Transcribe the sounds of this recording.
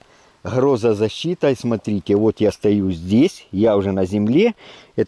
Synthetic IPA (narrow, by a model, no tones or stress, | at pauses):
ɣɾo̞zəzɐɕːit̪ɐismɐt̪ɾʲitʲɪvo̞t̪jast̪ɐjuzʲdʲesʲjaʊʐɛnɐzʲɪmlʲeɛt̪